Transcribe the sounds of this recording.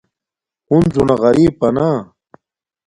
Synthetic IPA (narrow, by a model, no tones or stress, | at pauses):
unzunaɣɐɾiːpɐna